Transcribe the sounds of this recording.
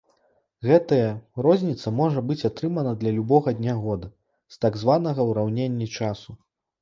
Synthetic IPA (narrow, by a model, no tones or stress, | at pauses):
ɣɛt̪ɐjɐɾɔzʲnʲit̪sɐmɔʐɐbɨt͡sʲat̪ɾɨmɐnɐd̪lʲɐlʲubɔɣɐd̪ʲnʲaɣɔd̪ɐ | st̪aɡzvanɐɣɐwɾawnʲenʲːit͡ʂasu